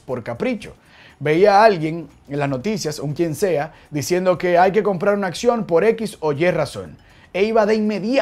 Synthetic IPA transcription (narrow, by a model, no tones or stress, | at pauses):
po̞ɾkapɾit͡ʃo̞̥̰ | be̞iaalɡje̞ŋ | lasno̞t̪isjasuŋkje̞nse̞a | d̪isje̞nd̪o̞ke̞ajke̞ko̞mpɾaɾunaːksjo̞mpo̞ɾe̞kiso̞ʝe̞raso̞̰n | eiβaðeiŋme̞ðj